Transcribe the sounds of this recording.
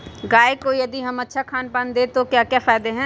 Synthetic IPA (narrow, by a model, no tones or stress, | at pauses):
ɡaːekojɐd̪iɦɐmɐtːʃʰakʰaːnpãnd̪et̪okjaːkjaːfaːd̪eɦɛ̃ː